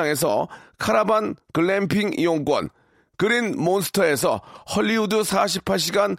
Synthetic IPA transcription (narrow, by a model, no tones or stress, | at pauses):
ŋe̞s̬ʰʌ̰kʰaɾabankɯɭːempʰiŋḭwoŋk͈wʌ̰n | kɯɾinmonsʰɯ̥tʰʌe̞sʰʌ̰hʌʎːiudusʰaɕ̬ʰipʰːaɭɕ̬ʰiɡan